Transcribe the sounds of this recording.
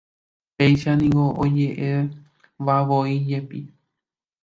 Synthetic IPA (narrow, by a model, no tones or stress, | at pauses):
pe̞jʃanĩŋɡoʔod͡ʒe̞ʔe | ʋaʋoid͡ʒe̞pi